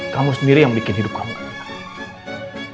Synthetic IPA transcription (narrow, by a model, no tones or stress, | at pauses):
kamusniɾijaŋbikɪnɦidup̚kamu